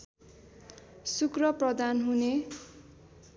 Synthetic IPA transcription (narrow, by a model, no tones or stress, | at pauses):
sukrʌprʌd̪anɦune